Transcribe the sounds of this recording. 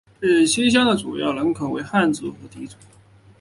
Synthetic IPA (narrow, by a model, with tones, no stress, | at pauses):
ʈ͡ʂe˥˩ɕi˥ɕ̬jɑ˥ŋd̪ə˨ʈ͡ʂṵ˨˩jɑ̰˥˩ʊlə˧˥ŋkʰɤ˨˩ʊwḛ˧˥ɪxa˥˧nt͡sɹ̩˨˩xɤ˧˥t̪i˧˥t͡su˨˩˦